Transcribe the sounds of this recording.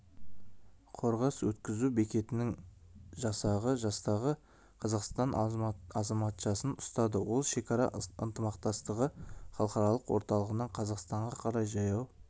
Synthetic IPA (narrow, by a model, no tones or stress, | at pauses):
qʰo̞ɾʁɑswɵt̪kʲɪzube̞kʲe̞t̪ɪnɪŋ | ʒɑsɑʁəʒɑst̪ɑʁə | qʰɑzɑqst̪ɑnɑzɑmɑt̪ʃɑsənʊst̪ɑd̪əwo̞lˠʃe̞kʰʲɑɾɑ̰ə̰nt̪əmɑqt̪ɑst̪əʁəχɑlˠqɑɾɑlˠəqwoɾt̪ɑlˠəʁənɑɴqʰɑzɑqst̪ɑɴʁɑqʰɑɾɑjʒɑjɑw